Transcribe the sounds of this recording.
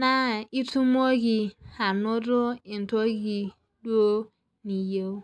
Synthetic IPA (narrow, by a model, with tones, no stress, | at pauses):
na˦i˦tu˦m˦o˦ɡi˨a˨no˦do˦i˨n˨to˦ɡi˨ | du˦o˦ | ni˨je˦